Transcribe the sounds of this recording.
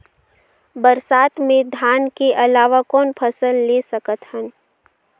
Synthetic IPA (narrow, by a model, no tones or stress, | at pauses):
bəɾsaːt̪mẽd̪ʱjaːnkeʔɐlaːʋakɔːnpʰəsəlːesəkət̪hən